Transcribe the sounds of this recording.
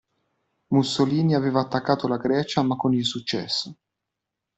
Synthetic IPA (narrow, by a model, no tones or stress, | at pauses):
musːoliːniavɛːvaːt̪ːakːaːt̪olaɡɾɛːt͡ʃamakːonilsut͡ʃːɛ̰sːo